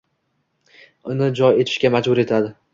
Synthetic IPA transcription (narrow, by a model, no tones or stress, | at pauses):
ʊnɪd͡ʒɒje̞t̪ʰɪ̥ʃkʲamad͡ʒbʊɾe̞t̪ʰad̪ɪ